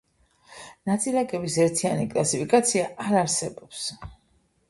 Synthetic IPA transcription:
nat̪sʼilaɡʼɛbisɛɾt̪ʰianikʼlˠasipʰikʼat̪sʰiaːɾaɾsɛbɔps

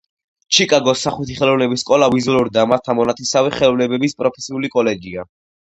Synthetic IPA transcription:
t͡ʃʰikʼaɡɔsːaχut̪ʰiχɛlˠɔvnɛbisːkʼɔlavizuluɾd̪amat̪ʰːamɔnat̪ʰisavɛχɛlɔvnɛbɛbispʼɾɔpʰɛsiulikʼɔlɛɡia

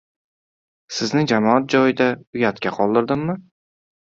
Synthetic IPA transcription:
sɪznɪd͡ʒamɒat̪̚d͡ʒɒjɪd̪aʊjat̪kʲaqʰɒlˠd̪ɪɾd̪ɪmːɪ

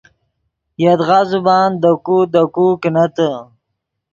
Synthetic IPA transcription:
jad̪ɣazubɑːnd̪əkud̪əkuknat̪ə

